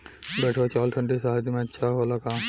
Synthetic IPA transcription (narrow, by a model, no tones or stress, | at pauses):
bɛːʈʰot͡ʃaːlʈʰə̃ɳʈisaɦad̪imẽɐtːʃʰaɦoːlakãː